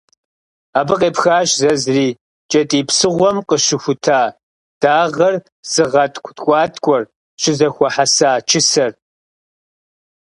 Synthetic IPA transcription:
aːbɨqʼeːpxaːɕzɐzriː | t͡ʃʼɐtʼiːpsɨʁʷɔmqʼəɕɪxʷʊtʰaː | d̥aːʁɐr | z̥ɨʁɐtʼkʷʰʼtʰʼkʷʼɑːtʰʼkʷʼɔr | ɕɪzɐxʷɔħasaːt͡ʃʰɪsɐr

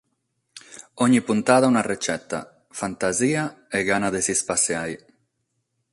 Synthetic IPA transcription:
ɔɲipunt̪aːðaunaret͡ʃɛt̪ːa̰ | fant̪aziːaɛɡanaðesispaseaj

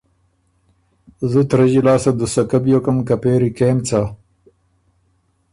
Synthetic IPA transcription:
zut̪ɾɐʑilaːsɐd̪usɐkabjokɐmkapeːɾikeːmt͡sa

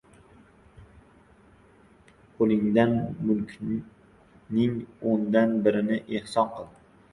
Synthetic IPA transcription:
qʰolˠɪŋd̪anmʊlˠkʲʰ | nɪŋond̪anbɪɾɪnɪʔehsɒnqʰɨlˠd̪ɪɪ

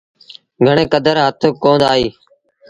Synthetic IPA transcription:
ɡʱəɳẽːkəd̪əɾɦət̪ʰokõːnd̪aːɦiː

